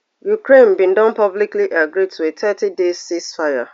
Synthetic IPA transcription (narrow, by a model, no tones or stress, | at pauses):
jukɹẽnbĩndɔ̃npɔblikliʔaɡɾid̚tʰuetʰɛtidezsisfaja̰